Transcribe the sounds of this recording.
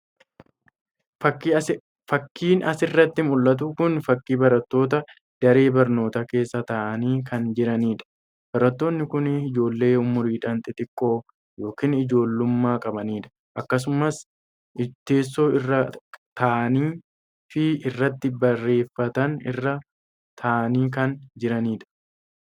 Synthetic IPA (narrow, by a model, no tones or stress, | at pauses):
ɐ | fɐkːiːnɐsɪrːɐt̪ːɪmʊlːɐt̪̬ukʊnfɐkːiːbɐɾɐt̪ːo̞ːt̪ɐ | d̪̥ɐɾe̞ːbɐɾno̞ːt̪ɐke̞ːsːɐt̪ɐʔɐniːkɐnd͡ʒɪɾɐniːᶑɐ̥ | b̥ɐɾɐt̪ːo̞ːnːɪkʊnɪd͡ʒo̞ːlːe̞ːʊmʊɾiːᶑɐnt̪ʼɪt̪ʼɪkʼːo̞ː | jo̞ːkiːnɪd͡ʒo̞ːlːʊmːaːkʼɐbɐniːᶑɐ̥ | ʔɐkːɐs̬ʊmɐs | ɪt̪e̞ːs̬ːo̞ːɪrːɐt̪ɐːʔɐniː | fɪɪrːɐt̪ːɪbɐrːe̞ːfːɐt̪ɐnɪ̰rːɐ | t̪ʰɐːʔɐniːkɐnd͡ʒɪɾɐniːᶑɐ̥